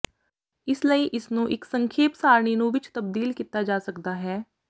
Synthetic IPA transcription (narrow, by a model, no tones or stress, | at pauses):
ɪsləiːʔɪsnũːʔɪksəŋkʰeːpsaːɾɳ̃iːnũːʋɪt͡ʃt̪əbd̪iːlkiːt̪aːd͡ʒaːsəkd̪aːɦɛː